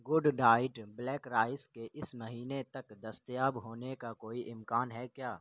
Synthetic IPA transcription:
ɡʊɖɖaːɪʈblɛːkɾaːɪskeʔɪsmɐɦiːnet̪ɐkd̪ɐst̪jaːbɦoːnekakoːiʔɪmkaːnɦɛkjaː

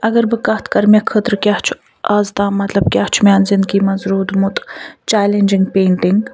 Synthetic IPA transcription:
ɐɡɐɾbɨkɐt̪ʰkɐɾmʲɐkʰɨt̪ɾɨkʲjaht͡ʃʰu̥ | aːzt̪aːmɐt̪lɐb̚kʲjaːht͡ʃʰumʲaːnzɪnd̪kiːmɐzɾuːd̪mut̪t͡ʃaːlenʲd͡ʒiŋɡpeːɳʈiŋɡ

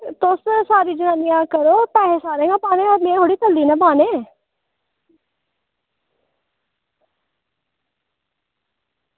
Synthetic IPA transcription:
t̪oːssaːɾiːd͡ʒʊnãːnijãːkəɾoːpɛːɦesaːɾẽɡãpaːnẽɔːɾmẽɦoːɽiːt̪əlːiːnãbaːne

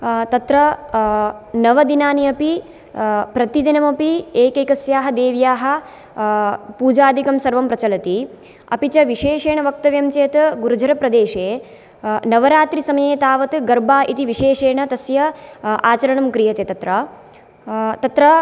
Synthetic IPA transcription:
t̪ɐt̪ɾɐ | nɐʋɐd̪inaːniɐpi | pɾɐt̪id̪inɐmɐpieːkeːkɐsjaːɦɐd̪eːʋjaːɦɐ̆ | puːd͡ʒaːd̪ʱikɐmsɐɾʋɐmpɾɐt͡ʃɐlɐt̪i | ɐ̰pit͡ʃɐʋiʃeːʃeːɳɐʋɐk̚t̪ɐʋjɐmt͡ʃeːt̪ɡuɾud͡ʒʱɐɾɐpɾɐd̪eːʃeː | nɐʋɐɾaːt̪ɾisɐmɐjeːt̪aːʋɐt̪ɡɐɾbaːʔit̪iʋiʃeːʃeːɳɐt̪ɐsjɐaːt͡ʃɐɾɐɳɐmkɾijɐt̪et̪ɐt̪ɾɐ | t̪ɐt̪ɾɐ

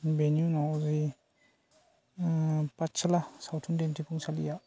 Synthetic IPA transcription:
benjunawzi | patt͡ʃːalasawtʰundentʰipʰuŋsalḭja

